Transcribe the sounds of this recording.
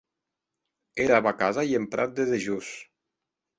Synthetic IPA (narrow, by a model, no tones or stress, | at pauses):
eɾaβakazaiempɾʔa̰t̪̚d̪eðeʒus